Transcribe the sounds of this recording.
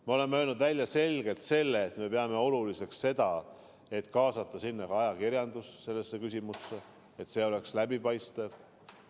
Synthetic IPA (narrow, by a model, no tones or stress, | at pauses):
meo̞le̞mːøːlnud̪vælʲjɑse̞lɡ̥e̞lt̪se̞lːe̞ːt̪me̞pe̞ɑme̞o̞lulise̞ksse̞d̪̥ɑ | e̞t̪kɑːsɑt̪ːˑɑsinːɑkɑɑjɑkiɾjɑnd̪usse̞lːesːekys̬ʲimusːe | et̪se̞ːo̞le̞kslæbipɑjst̪ev